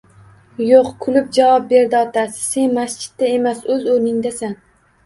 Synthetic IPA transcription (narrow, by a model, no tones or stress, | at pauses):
joqkʰʊlɪp̚d͡ʒavɒp̚be̞ɾd̪ɪɒt̪ʰasɪ̥se̞nmast͡ʃɪ̥t̪ːae̞masɵzonɪŋd̪asan